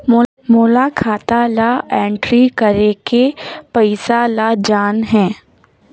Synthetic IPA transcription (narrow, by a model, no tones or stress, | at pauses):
moː | moːlakʰaːt̪alaɛ̃ːɳʈɾikəɾekepɐɪsalad͡ʒaːnɦɛ̃ː